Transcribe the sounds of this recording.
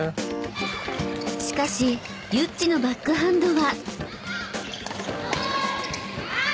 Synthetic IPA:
ɕi̥kaɕi | jɯt͡ɕt͡ɕ͈ːino̞bakːɯ̟ɦãnd̪o̞βa

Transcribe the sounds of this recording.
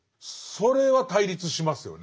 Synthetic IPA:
so̞ɾe̞βat̪aiɾʲit͡sɨɕimasɨjo̞̰ne

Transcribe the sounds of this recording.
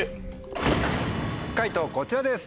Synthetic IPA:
kait̪oko̞t͡ɕiɾad̪e̞sɨ̥

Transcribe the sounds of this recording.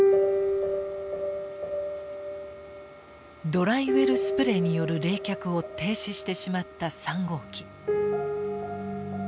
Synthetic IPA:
d̪o̞ɾaiβe̞ɾɯ̟sɨ̥pɯ̟ɾe̞ɲ̟ijo̞ɾɯ̟ɾe̞ːkʲakɯ̟o̞t̪e̞ːɕiɕi̥t̪e̞ɕimat̪ːasãŋɡo̞ːkʲi̥

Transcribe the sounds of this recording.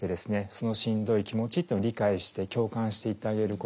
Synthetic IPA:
ed̪e̞sɨne̞so̞no̞ɕĩnd̪o̞ikʲimo̞t͡ɕit̪ːeɾʲikaiɕi̥t̪e̞kʲo̞ːkãɰ̃ɕi̥t̪e̞it̪ːeaɡe̞ɾɯ̟ko

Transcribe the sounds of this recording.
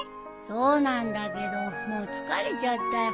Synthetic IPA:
sonand̪aked̪onot͡skaɾit͡ʃat̪ːa

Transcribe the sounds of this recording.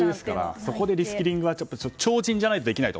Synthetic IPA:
d̪esɨ̥kaɾa̰so̞ko̞d̪e̞ɾʲisɨ̥kʲiɾʲĩŋɡɯ̟βaapːaot͡ɕo̞ːʑĩɲ̟d͡ʑanait̪o̞d̪e̞kʲinait̪o

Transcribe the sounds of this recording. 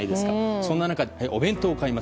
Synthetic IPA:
id̪esɨ̥kasõnːanakad̪ehaiʔo̞bẽ̞nt̪o̞ːkaima

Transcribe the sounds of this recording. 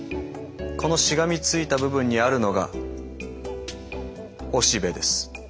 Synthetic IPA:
ko̞no̞ɕiɡamʲit͡sɨit̪abɯ̟bɯ̟̃ɲ̟ːiaɾɯ̟no̞ɡa̰ | o̞ɕibe̞d̪e̞sɨ̥

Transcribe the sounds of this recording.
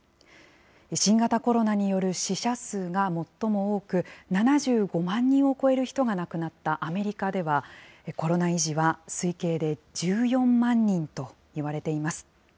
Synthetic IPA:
eɕĩŋɡat̪ako̞ɾo̞naɲ̟ijo̞ɾɯ̟ɕiɕasɨːɡamo̞t̪ːo̞mo̞oːkɯ̟nanaʑɨːɡo̞mãɲ̟ːĩɰ̃o̞ko̞e̞ɾɯ̟çi̥t̪o̞ɡanakɯ̟nat̪ːaʔame̞ɾʲikad̪e̞βaeko̞ɾo̞naiʑiβasɨike̞ːd̪e̞d͡ʑɨːjõ̞mːãɲ̟ːĩnt̪o̞ | iβaɾe̞t̪e̞imasɨ̥

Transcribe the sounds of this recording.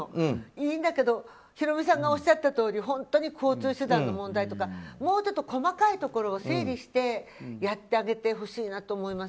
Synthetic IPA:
oiːnd̪ake̞d̪o̞ | çiɾo̞mʲisãŋɡao̞ɕat̪ːat̪o̞ːɾʲiɦõ̞nt̪o̞ɲ̟ikʰo̞ːt͡sɨːɕɨd̪ãnːo̞mõ̞nd̪ait̪o̞kamo̞ːt͡ɕo̞t̪ːoko̞makait̪o̞ko̞ɾo̞ːseːɾʲiɕi̥t̪e̞jat̪ːe̞aɡe̞t̪e̞ɦo̞ɕiːnat̪o̞ːmo̞imas

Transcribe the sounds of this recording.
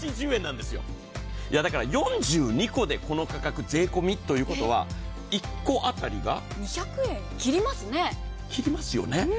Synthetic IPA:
t͡ɕiʑɨːẽ̞nːãnd̪e̞sɨjo̞̰ | jad̪akaɾajõ̞ɲd͡ʑɨːɲ̟iko̞d̪e̞ko̞no̞kakakɯ̟ze̞ːko̞mʲit̪ːo̞jɯ̟ːko̞t̪o̞βa̰ | ikːo̞ʔat̪aɾʲiɡa̰ | ɲ̟içʲakɯ̟ẽ̞ŋkʲiɾʲimasɨne̞ | kʲiɾʲimasɨjo̞̰ne̞

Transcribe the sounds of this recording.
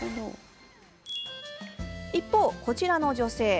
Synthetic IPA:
ipːo̞ːko̞t͡ɕiɾano̞d͡ʑo̞se̞ː

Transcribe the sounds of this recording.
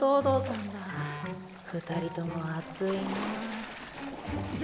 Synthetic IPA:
oːd̪oːsãnd̪a | ɸɯ̟t̪aɾʲit̪onoat͡sɨine

